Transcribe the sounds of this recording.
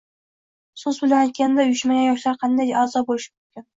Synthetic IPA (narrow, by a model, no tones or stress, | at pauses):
sʊzbɪlanajt̪̚kʲand̪aʊjɪʃmaɡʲanjɒʃlaɾqʰɑnd̪ajɑːzɒbolɪʃɪ̥mʊmkʲɪn